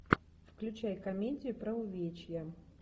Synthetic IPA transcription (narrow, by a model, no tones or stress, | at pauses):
fklʲʉt͡ɕajkɐmʲedʲɪjʊpɾɐʊvʲet͡ɕjɛ